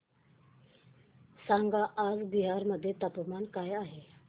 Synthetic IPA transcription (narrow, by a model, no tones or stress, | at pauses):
saŋɡaʔːd͡zbiɦaɾməd̪ʱːjet̪əpmankajaɦe